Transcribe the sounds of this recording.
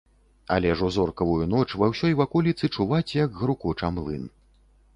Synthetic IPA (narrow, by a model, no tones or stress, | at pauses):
a̰lʲɛʐuzɔrkɐvujunɔt͡ʂvawsʲɔjvakɔlʲit̪sɨt͡ʂuvat͡sʲjɐɡɣɾukɔt͡ʂamlˠɨ̰n